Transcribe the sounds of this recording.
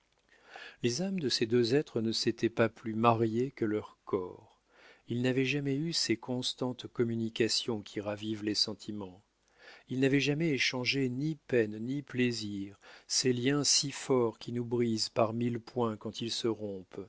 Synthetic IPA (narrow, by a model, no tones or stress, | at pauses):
lezamd̪əsed̪øzɛt̪χənəset̪ɛpaplymaʁjekəlœʁkʰɔːʁ | ilnavɛʒamɛysɛkɔ̃st̪ɑ̃t̪kɔmynikʲasjɔ̃kʲʰiʁavivlesɑ̃t̪ʰimɑ̃ | ilnavɛʒamɛeʃɑ̃ʒenipɛnnipleziʁseljɛ̃sifɔʁkʲinubʁizpaʁmilpwɛ̃kɑ̃t̪ilsəʁɔ̃p